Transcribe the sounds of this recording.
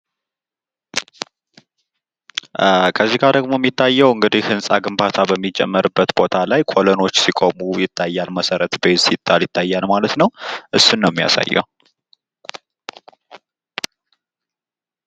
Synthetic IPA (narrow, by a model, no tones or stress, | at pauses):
kʰəzːiɡaɾd̪əɡmo̞ɛmːit̪ʰːajːɛwɨŋɡɨd̪ihhɨnsʼaɡɨmbat̪ʰabəmːid͡ʒɛ̰mːəɾɨbːət̪bo̞t̪ʰalajkʰo̞lono̞t͡ʃːsikʼo̞mujɪt̪ʰːajːalməsəɾət̪besɪt̪ʼːaljɪt̪ʰːajːalmalət̪nəwʔɨsːunːəwmːija̰sa̰jːɛ̰w